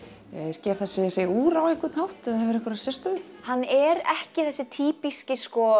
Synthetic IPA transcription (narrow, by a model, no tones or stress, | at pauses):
ɛscɛːθɛsːɪseuːɾaweŋ̥kɪt̪nawht̪ɛðaɛvɛɾɛhkvʏɾasjɛst̪ʏʏ | hanːɛɾɛhcɪθɛsːɪt̪ʰiːpiscɪskɔ